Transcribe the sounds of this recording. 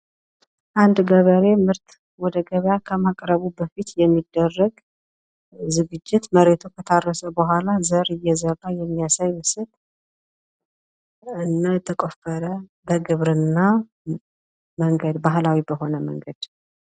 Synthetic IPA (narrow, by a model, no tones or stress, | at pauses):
ʔand̪ɡəβəɾe̞mɨɾt̪ | wɔd̪əɡəβjakʰəmakʼɾəβubəfit̪jɛmːid̪ːərːəɡ | zɨɡɨd͡ʒːɪt̪məɾe̞t̪ʰukʰət̪ʰarːəsəbəɦʷalazəɾɨjːɛzərːajɛmːijasajwɨsɨt̪ʼ | ɨnːət̪ʰːəkʼofəɾəbəɡɨβɾɨnːa | məŋɡəd̪baɦlawibəɦo̞nəmə̰ŋɡəd̪̥